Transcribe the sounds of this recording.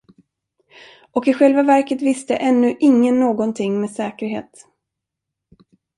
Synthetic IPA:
ɔkɪɧɛlvavæɾkət̪vɪst̪ə̰ʔɛnːɵʔɪŋːənːoːɡɔnt̪ʰɪŋːmeːsɛːkəɾɦḛːt̪

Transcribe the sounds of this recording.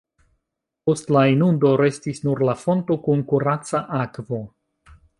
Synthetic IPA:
po̞stlainundo̞ɾe̞stisnuɾlafo̞nto̞kunkuɾat͡saʔakvo̞

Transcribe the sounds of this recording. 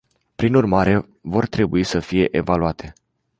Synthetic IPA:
pɾinurmaɾe̞ | vo̞rt̪ɾe̞buisəfije̞ʔevaluat̪ʰe̞

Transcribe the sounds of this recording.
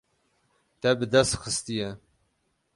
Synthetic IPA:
t̪ɛbɨd̪ɛst̪xɨst̪ijɛ

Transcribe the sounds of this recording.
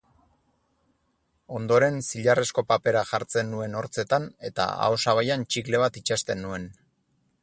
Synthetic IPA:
o̞nd̪o̞ɾe̞nsiʎare̞sko̞pape̞ɾaxaɾt͡se̞nːue̞no̞ɾt͡se̞t̪ane̞t̪a̰a̰osaβ̞ajant͡ʃikle̞βat̪it͡ʃast̪e̞nːue̞n

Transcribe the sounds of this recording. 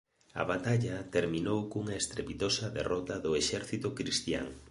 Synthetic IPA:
ɐ̰βat̪aʎɐt̪eɾmĩnowkuŋɐest̪ɾepit̪osɐðḛrɔt̪ɐðʊeʃɛɾθit̪ʊkɾist̪ja̰ŋ

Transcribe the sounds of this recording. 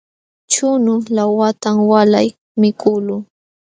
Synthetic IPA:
t͡ʃʊnʊlawat̪amwalaj | mɪkʊlʊ

